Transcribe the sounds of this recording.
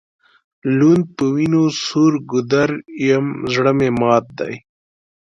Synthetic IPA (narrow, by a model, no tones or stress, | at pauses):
lund̪̚pəwinosuɾɡud̪ɐɾjɐmzɽəmemɑːt̪̚d̪a̰j